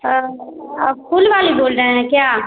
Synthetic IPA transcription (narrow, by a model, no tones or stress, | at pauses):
kʰʊlʋaːliboːlɾəɦɦɛ̃kjaː